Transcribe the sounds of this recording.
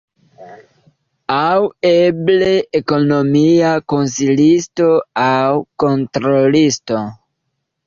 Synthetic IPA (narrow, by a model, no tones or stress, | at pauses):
aweble̞eko̞no̞miako̞nsilisto̞awko̞ntɾo̞listo̞